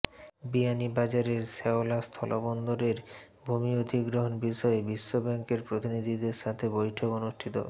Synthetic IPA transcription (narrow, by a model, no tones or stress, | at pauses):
bianibad͡ʑaɾeɾseolast̪ʰɔlʔobond̪oɾeɾ | bʱumiod̪ʱiɡɾoɦonbiʃɔebiʃːobɛŋkeɾpɾot̪inid̪ʱid̪eɾʃat̪ʰebojʈʰokonuʃʈʰit̪o̰